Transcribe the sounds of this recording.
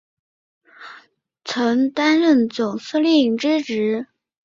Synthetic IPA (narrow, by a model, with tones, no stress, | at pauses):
t͡sʰɤ˧˥ŋt̪a˥nɻə˥˩nt͡sʊ˨˩ŋs̩˥˧li˥˩ŋʈ͡ʂɻ̩˥ʈ͡ʂɻ̩˧˥